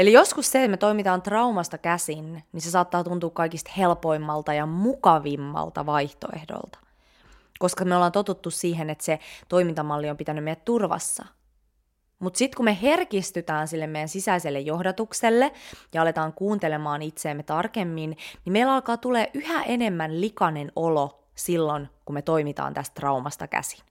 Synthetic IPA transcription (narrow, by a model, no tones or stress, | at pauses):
elijo̞skusseet̪met̪o̞imit̪ɑːnt̪rɑumɑst̪ɑkæsinnisesɑːt̪ːɑːt̪unt̪uːkkɑikist̪helpo̞imːɑlt̪ɑjɑmukɑʋimːɑ̰lt̪ɑ̰ʋɑiht̪o̰ḛhdo̰lt̪ɑ̥ | koskɑmeolːɑːnt̪ot̪ut̪ːussiːɦenet̪set̪o̞imint̪ɑmɑlːiompit̪ænymmejæt̪turʋɑ̰sːɑ̰ | mut̪sit̪kumeɦerkist̪yt̪æːnsilːemejænsisæiselːejohdɑt̪ukselːejɑɑlet̪ɑːŋkuːnt̪elemɑːnit̪seːmːet̪ɑrkemːinnimeilɑlkɑːt̪uleːʔyhæʔene̞mːænlikɑnenolo | silːonkumet̪oimit̪ɑ̰ːnt̪æst̪rɑumɑst̪ɑkæ̰si̥n